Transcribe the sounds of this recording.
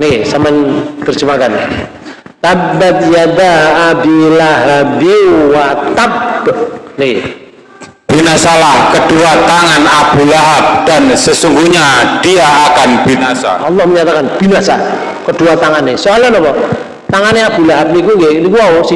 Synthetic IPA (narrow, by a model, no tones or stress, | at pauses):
nesəmənt̪ərd͡ʒumakanɪ̰ | t̪abat̪̚jad̪aːbilaɦabiwat̪ab̚ | ne | b̥inasalahkəd̥uat̪aŋanab̥ulaɦab̚d̥ansəsuŋɡuɲad̥iaːkanb̥inasa̰ɑlːɔhməɲat̪akanb̥inasa | kəd̥uat̪aŋanːesoalanɔpɔ | t̪aŋanːeab̥̪ulaɦab̚nikuŋɡenikuaosi